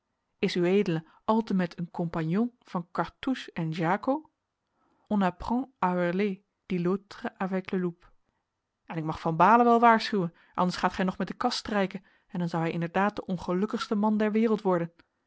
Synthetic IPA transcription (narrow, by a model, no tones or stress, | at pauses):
ɪsywejdələ | ɑlˠtəmɛtʰənkɔmpanjɔ̃nv̥ɑnkɑɹtuʃɛnʒaːko | ʔɔnaprɑ̃ʔawɛrle | d̥ilotrəʔavɛkləlup | ɛnɪk̚mɑχfɑnbaːləʋɛlˠʋaːɹsχywən | ʔɑ̰ndəɹsχaːtχɛjnɔχmɛt̚dəkɑstrɛjkən | ɛndɑnzʌwɦɛjʔɪndəɹdaːt̚dəʔɔnχəlɵkəχstəmɑndɛɹʋɪːrəlˠtʋɔɹdən